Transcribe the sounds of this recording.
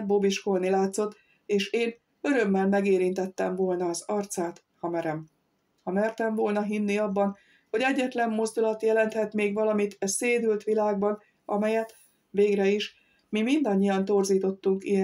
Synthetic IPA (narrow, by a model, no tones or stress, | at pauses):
bobiʃkolnilaːt̪so̞t̪ː | eːʃeːn | ø̞ɾø̞mːɛlmɛɡeːɾint̪ɛt̪ːɛɱvoːlnɒːzɒrt̪saːt̪ | hɒmɛɾɛm | hɒmɛrt̪ɛɱvo̞lnɒɦinːiɒbːɒn | ho̞ɟɛɟːɛt̪lɛmːo̞zd̪ulɒt̪jɛlɛnt̪hɛt̪meːɡʋɒlɒmit̪ɛseːd̪ylt̪ʋilaːɡ̚bɒn | ʔɒmɛjɛt̪ | ʋeːɡɾɛiʃ | mimind̪ɒɲːijɒnt̪o̞rziːt̪o̞t̪ːuŋkij